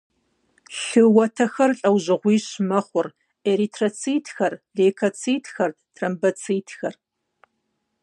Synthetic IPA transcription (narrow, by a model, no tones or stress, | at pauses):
ɬɨwɐtʰɐxɐrɬʼɐwʑɪʁʷiːɕmɐχʷʊr | eɾiːtʰrɐt͡sʰiːtʰxɐrɮeːkʰɐt͡sʰiːtʰxɐr | tʰrɐmbɐt͡sʰiːtʰxɐr